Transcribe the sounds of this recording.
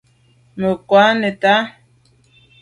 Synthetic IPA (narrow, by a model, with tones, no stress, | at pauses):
mə˨kwa˨˦nɛ˨ta˦